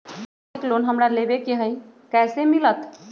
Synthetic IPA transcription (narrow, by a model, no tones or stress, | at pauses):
ikloːnɦəmɾalebekiɦə̃j | kɛːsemilət̪